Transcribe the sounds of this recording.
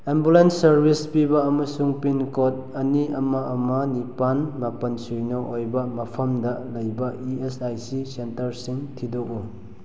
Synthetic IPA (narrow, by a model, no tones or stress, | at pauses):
embulenːɐɾbʱispibɐɐmɐsuŋpinkot̚ | ɐniɐmaɐmɐnipanmapɐnsujnɔʔojbɐmɐpʰɐmdɐlɐjbɐiesajsisentɐɾsiŋtʰidoɡu